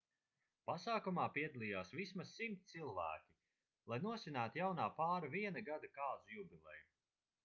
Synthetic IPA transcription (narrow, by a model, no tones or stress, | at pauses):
pasaːkumaːpiɛd̪alʲˠiːjaːsvismasːimt̪silˠvæ̰ːkʲi | lˠajnuɔsʲinæːt̪jawnaːpaːɾaviɛnaɡad̪akaːzujubʲilˠɛ̰jum